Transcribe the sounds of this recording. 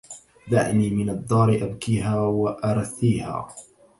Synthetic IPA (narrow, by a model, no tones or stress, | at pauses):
d̪a̰ʕniːmɪnɑd̪ˤːɑːɾɪʔabkiːɦaːwaʔɑɾˤɑθːiːha̰ː